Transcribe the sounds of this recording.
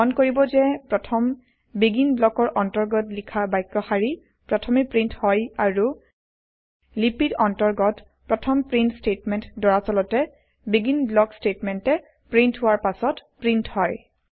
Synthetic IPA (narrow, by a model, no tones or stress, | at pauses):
ɔnkoɹibɔzɛpɹɔtʰɔm | biɡinblɔkɔɹʔɔntɔɹɡɔtlikʰabajkːɔxaɹi | pɹɔtʰɔmipɹinthɔjaɹu | lipidɔntɔɹɡɔt | pɹɔtʰɔmpɹintstetmɛntdɔɹasɔlɔtɛ | biɡinblɔkstetmɛntɛ | pɹintɦʊwaɹpasɔtpɹinthɔj